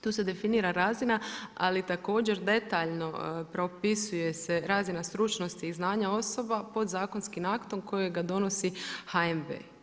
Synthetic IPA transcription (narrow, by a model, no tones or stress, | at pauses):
t̪uːse̞d̪e̞finiːɾaɾaːzinaa̰lit̪ako̞ːd͡ʒe̞ɾd̪e̞t̪aːʎno̞pɾo̞pisuje̞seɾaːzinast̪ɾut͡ʃno̞st̪iːznaːɲao̞so̞bapo̞d̪zaːko̞nskimakt̪o̞mko̞jeɡad̪o̞no̞sihaembḛː